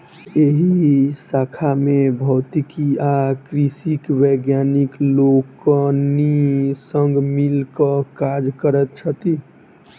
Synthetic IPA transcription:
eɦisakʰamebʱɔʊt̪ikiakɾisikweɡjanikloknisəŋɡmilkəkad͡ʒkəɾət̪̚t͡ʃʰət̪i

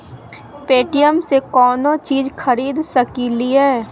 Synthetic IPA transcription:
peːʈijəmsekɔːnot͡ʃiːd͡ʒxʰɐɾiːd̪səkiliɦɛː

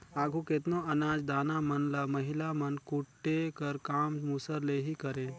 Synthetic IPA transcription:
aːɡʱuket̪noɐnaːd͡ʒd̪aːnamɐnlaːmɐɦɪlamɐnkuʈːekəɾkaːmmusəɾleːɦikɐɾẽː

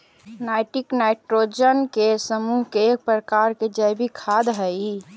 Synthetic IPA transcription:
naɪʈiknaɪʈɾod͡ʒənkesəmuɦkek̚pɾəkaɾked͡ʒəjbikʰad̪ɦəi

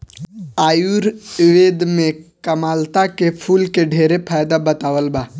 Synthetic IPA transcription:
aːjuɾʋeːd̪mẽkəmaːlt̪akepʰuːlkeɖʱeːɾepʰaːjd̪abət̪aːwəlbaː

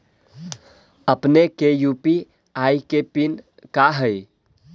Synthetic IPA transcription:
əpnekejupi | ajkepin | kaɦəɪ

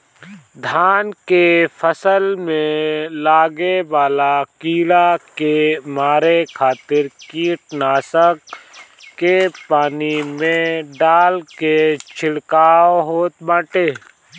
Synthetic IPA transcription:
d̪ʱaːnkepʰəsəlmẽlaːɡeʋaːlakiːlakemaːɾekʰaːt̪ɪɾkiːʈnaːsəkː | epaːnimẽɖaːlket͡ʃʰɪɽkaːoɦoːt̪bãːʈeː

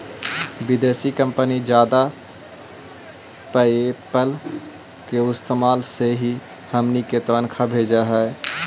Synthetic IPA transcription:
bɪd̪eːsikə̃mpənid͡ʒjaːd̪a | pəepəl | keʊst̪maːlseɦi | həmniket̪oənkʰabʱeːd͡ʒaɦɛː

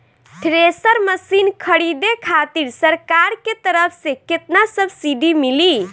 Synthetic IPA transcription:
ʈɾesəɾməsinkʰəɽid̪ekʰat̪iɾsəɾkaɾket̪əɾəpʰseket̪nasəbʱsiɖimili

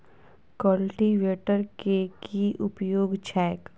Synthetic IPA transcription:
kəlʈiʋeːʈəɾkekiʔʊpjoːɡt͡ʃʰɛːk

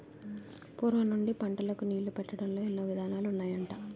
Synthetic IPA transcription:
puːɾʋɐnːuɳɖipɐɳʈɐlɐkuniːlupɛʈːɐɽɐnlo̞ːinːɐʋid̪ʱaːnaːlunːaːjɐɳʈaː

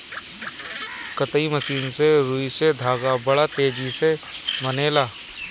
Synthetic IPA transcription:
kət̪əiməsiːnseɾuised̪ʱaːɡabɐɽat̪eːd͡ʒise | məneːlaː

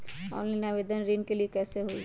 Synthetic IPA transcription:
ɔ̰ːnlanaʋeːd̪ənɾeːnkeliekɛːseɦoḭ

